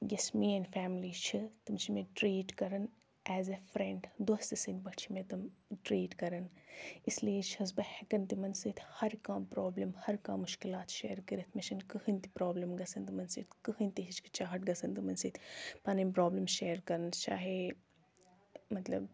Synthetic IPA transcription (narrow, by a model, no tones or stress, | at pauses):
jɐsmiːɛnfɛːmliːt͡ʃʰɨt̪ɨmt͡ʃʰimeʈɾiːʈkɐɾɐn | ɛːzefɾẽɳɖd̪ost̪ɨsinʲbɐʈt͡ʃʰimẽt̪ɨmʈɾiːʈkɐɾɐnisliet͡ʃʰhɐs̬bɐhɛkɐnt̪imɐnsit̪ʰhɐɾkãːmpɾoːblɐmhɐɾkã̰ːmʊʃkilaːt̪ʃeːɾkɐɾit̪ʰmeʃʰɐnkɨhɨnt̪ipɾoːblɐmɡɐsɐnd̪ɨmɐnsit̪ʰkɨhɨnʲt̪iɦit͡ʃki̥t͡ʃaːɦɐʈɡɐsɐnd̪ɨmɐnsit̪ʰpɐnimpɾoːblɐmʃeːɾkɐɾɐnt͡ʃa̰ːɦe | mɐt̪lɐ̰b